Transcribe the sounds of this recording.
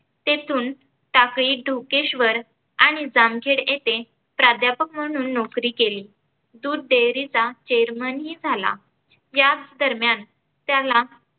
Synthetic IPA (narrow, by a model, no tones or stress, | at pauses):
t̪et̪ʰuːn | ʈakɭiːɖʱokeɕʋəɾ | aɽ̃id͡zamkʰeɽjet̪e | pɾad̪ʱjapək̚m̤əɽ̃uːnːɔkɾiːkeliː | d̪uːd̪̚ɖ̪eɾit͡sat͡ɕeɾmənɦiːd͡zʱala̰ | jat͡sd̪əɾmjan | t̪jala